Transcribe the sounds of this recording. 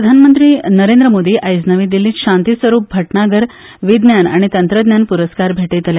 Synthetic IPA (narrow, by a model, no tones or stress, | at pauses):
əd̪ʱanmənt̪ɾiːnəɾend̪ɾəmod̪iːʔajd͡znəʋĩːd̪ilĩːɕãnt̪isʋəɾuːp̚bʱəʈnaɡəɾ | ʋid̪njana̰ɽ̃it̪ənt̪ɾəd̪njanpuɾəskaɾbʱeʈet̪əlja